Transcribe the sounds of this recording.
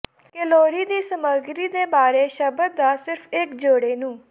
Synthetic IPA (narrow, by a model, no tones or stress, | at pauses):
kɪloːɾiːd̪iːsəməɡɾiːd̪eːbaːɾeːʃəbəd̪̚d̪aːsɪɾpʰɪkd͡ʒoːɽeːnũː